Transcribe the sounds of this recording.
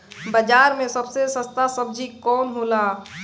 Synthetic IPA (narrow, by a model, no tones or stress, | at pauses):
bəd͡ʒaːɾmẽsəbsesə̃st̪asəb̚d͡ʒikɔːnɦoːla